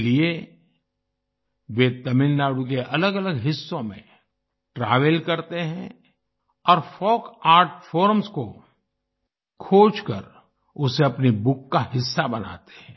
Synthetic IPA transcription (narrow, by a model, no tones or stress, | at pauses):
lie | ʋet̪ɐmɪlnaːɽuk̬eʔɐləɡɐləɡɦɪsːõmḛ̃ | ʈɾaːʋelkɐɾt̪eɦɛ̃ | ɔːɾfɔːkaːɾʈfoːɾmsko | kʰoːd͡ʒkə̰ɾ | ʊseɐpnibʊkːaɦɪsːabɐna̰ːt̪e̥ɦɛ̃